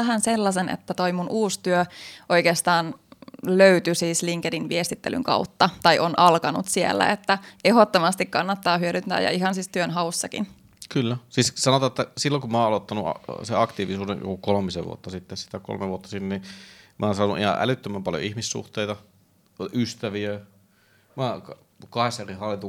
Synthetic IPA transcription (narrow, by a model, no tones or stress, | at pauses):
æɦænselːɑsenḛt̪ːæt̪oimunʔuːst̪yøʔo̞jkeːst̪ɑːnløyt̪ysiːsliŋkedinʋiest̪it̪ːely̰ŋkɑ̰ut̪ːɑt̪ɑiʔonʔɑlkɑnṵt̪siḛlːæ̰et̪ːæehot̪ːomɑst̪ikkɑnːɑt̪ːɑːhyøɾynt̪æ̰ːjɑ̰iɦɑnsist̪yønɦɑusːɑkḭn | kylːæsiːssɑnot̪ɑːet̪ːæsilːoŋkummɑːɑlot̪ːɑnuɑ̰seɑkt̪iːʋisuːdḛnjo̰kukolmisḛʋ̰o̰t̪ːɑsit̪ːessi̥t̪æko̰lmeʋuot̪ːɑsinːnimʔɑːnsɑːnuʔihɑ̰ʔæ̰lyt̪ːømæmpɑljo̰ihmisːṵht̪eit̪ɑ | ʔyst̪æʋiø | mɑːk | kɑhesːɑerihɑlːit̪u